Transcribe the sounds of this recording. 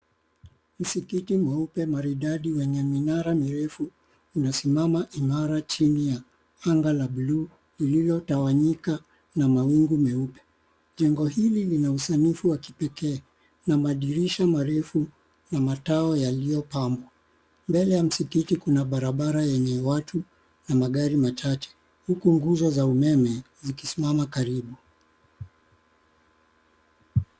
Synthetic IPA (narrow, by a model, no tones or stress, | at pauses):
m̩sikitimɛupɛmaɾiɗaɗiwɛɲɛminaɾamiɾɛfuː | nasimamaʔimaɾat͡ʃinija | aŋɡalaɓuluː | lililɔtawaɲika | namawiŋɡumɛupɛ̥ | ʄɛŋɡɔhililinausanifuwaki̥pɛkɛː | namaɗiɾiʃamaɾɛfu | namataɔjalijɔpambwa | mbɛlɛjam̩sikitikunaɓaɾaɓaɾajɛɲɛwatu | namaɠaɾimat͡ʃat͡ʃɛ̥ | hukuŋɡuzɔzaumɛmɛ | zikisimamakaɾiɓu